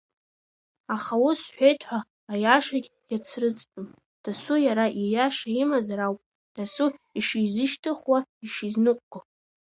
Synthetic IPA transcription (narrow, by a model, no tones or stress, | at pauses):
aχawʊsħʷᶣejtʰʼħʷaː | jaʂaɡʲjʲat͡sʰrɨt͡sʼtʼɨm | d̥asujaɾaʔijaʂaimazaɾawpʼ | d̥asuiʂizɨʃtʰɨχwaiʂiznɨqʷʼɡ̥a